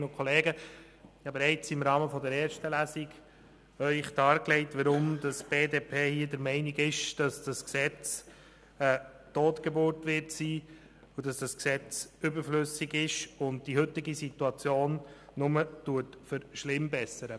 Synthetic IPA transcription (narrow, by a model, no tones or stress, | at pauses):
nʊkʰχɔleːɡə | jɑbeɾɛɪt͡sɪmɾɑːməfɔdəɾɛːɾʃtəlæsiɡ | œʏχd̥ɑːɾklɛɪtʋəɾʊmdɑsb̥eːdeːpʰeːhiːədəɾmɛɪniɡɪʃd̥ɑsd̥ɑsksɛt͡s | ə | toːtɡ̥ebʊɾtʋɪɾtsiː | udɑsd̥ɑsksɛt͡sʏbəɾflʏsiɡɪʃʊnd̚d̥iɦʏtɪɡisituɑt͡sjoːnːʊmətuətfəɾʃlɪmbɛsəɾə